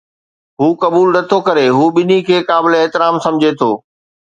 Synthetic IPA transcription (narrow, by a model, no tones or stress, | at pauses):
ɦuːkɐbuːlnɐt̪ʰokɐɾeɦuːɓɪnikʰeːkaːbɪleɪɦt̪ɪɾaːmsɐ̃md͡ʑʱet̪ʰoː